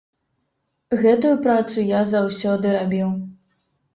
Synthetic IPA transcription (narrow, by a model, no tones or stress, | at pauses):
ɣɛt̪ujupɾat̪sujazawsʲɔd̪ɨɾabʲiw